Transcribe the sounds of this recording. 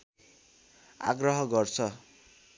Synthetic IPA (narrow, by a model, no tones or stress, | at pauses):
a̰ɡrʌɦʌɡʌrt͡sʰʌ